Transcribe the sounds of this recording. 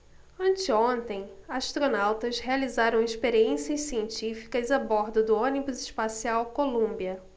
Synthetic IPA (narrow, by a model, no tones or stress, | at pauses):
ɐ̃nt͡ʃɪõnt̪ẽj̃aʃt̪ɾonawt̪ɐshealizaɾɐ̃w̃iʃpeɾiẽsiɐssiẽnt͡ʃifi̥kɐzabɔɾd̪ʊd̪ʊõnibʊzɪʃpasiawkolũmbiɐ